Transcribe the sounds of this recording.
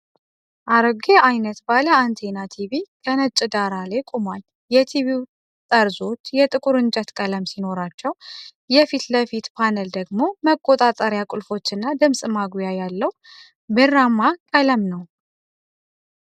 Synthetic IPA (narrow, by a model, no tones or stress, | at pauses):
ʔaɾəɡeʔajnət̪baləant̪ʰenat̪ʰiβikʰənət͡ʃʼɪd̪aɾalajkʼomal | jɛt̪ʰiβiw | t̪ʼəɾzo̞t͡ʃːjɛt̪ʼɨkʼuɾɨnd͡ʒat̪kʼələmsino̞ɾat͡ʃːɛw | jɛfit̪ləfit̪pʰanəld̪əɡmo̞məkʼːot̪ʼat̪ʼəɾjakʼulfo̞t͡ʃːɨnːad̪ɨmsʼɨmaɡujajalːəw | bɨrːamakʼələmnəw